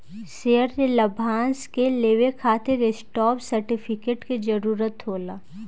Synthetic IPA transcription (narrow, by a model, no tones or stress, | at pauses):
seəɾelɐbʱãːnskeleːʋekʰaːt̪eɾesʈɔːɾbsɐɾʈɪfʰɪkeːʈkid͡ʒɐɾuːɾət̪ɦoːlaː